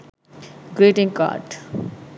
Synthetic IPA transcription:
ɡɾeːʈɪ̃ŋka̰ːʈ

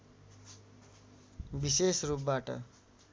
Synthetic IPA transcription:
bisesrup̚baʈʌ̰

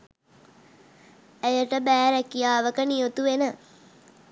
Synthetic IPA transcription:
æjəʈəbæːɾækijaːʋəkənijot̪uʋenə

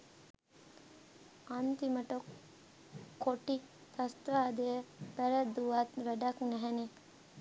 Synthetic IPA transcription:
ant̪iməʈokʰː | oʈi | t̪ast̪ʋaːd̪ejəbæɾæd̪uʋat̪ʋæɖaknæɦɛne

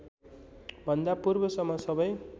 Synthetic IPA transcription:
bʱʌnd̪apurbʌsʌmːʌsʌbʌj

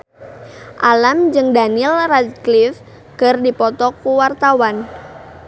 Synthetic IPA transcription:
ʔalamd͡ʒɨŋdanilrad̪̚klif | kərdipɔt̪ɔkuwart̪awan

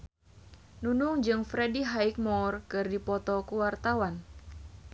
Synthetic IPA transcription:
nunʊŋd͡ʒɨŋfɾediɦaik̚mɔrkɨrdipɔt̪ɔkəwart̪awan

